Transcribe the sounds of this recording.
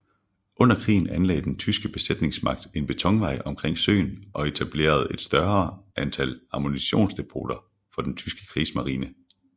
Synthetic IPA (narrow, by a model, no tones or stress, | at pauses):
ʔɔ̽n̰ɐkʰʁḭːn̩ænlɛ̰ɪd̥ent͡sʰysɡ̥əb̥e̝sed̥ne̝ŋsmɑ̈ɡ̥̚d̥e̝nb̥e̝t͡sʰɒ̽ŋʋɑ̈ɪ̰ɒ̽mkʰʁeŋ̰sø̰ːnʔɒ̽e̝t͡sʰæb̥le̝̰ːɐð̞̩ˠe̝d̥sd̥ɶɐɐːʔænt͡sʰælɑ̈mo̝niɕo̝̰ːnsd̥e̝pʰo̝̰ːd̥ɐ | fɒ̽d̥ent͡sʰysɡ̥ə̥kʰʁismɑ̈ʁiːnə